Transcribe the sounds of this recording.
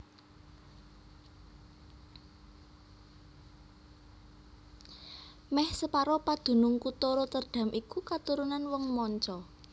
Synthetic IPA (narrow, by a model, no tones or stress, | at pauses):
mɛhsəpaɾɔpad̪̥ṳnʊŋkut̪oɾɔt̪ərɖ̪̥a̤mʔikukat̪uɾunanwɔŋmɔɲt͡ʃɔ